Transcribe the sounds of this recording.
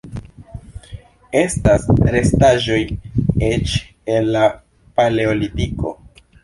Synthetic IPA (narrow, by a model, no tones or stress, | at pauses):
e̞stasɾe̞staʒo̞jnet͡ʃ | e̞nːa | paleolitiko̞̰